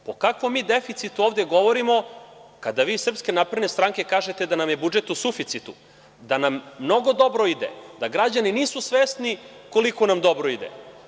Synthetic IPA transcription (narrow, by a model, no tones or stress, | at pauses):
pokakʋo̞mːiːd̪efit̪sit̪uoːvd̪e̞ɡo̞ʋoɾimo̞kad̪aʋiːsr̩pske̞napɾed̪nest̪ɾaŋke̞kaːʒet̪ed̪anamjebud͡ʒe̞t̪usufit̪sit̪u | d̪anamːno̞ɡo̞d̪o̞bɾoid̪ḛd̪aɡɾad͡ʑaniniːsusʋest̪niko̞likonamd̪o̞bɾoid̪ḛ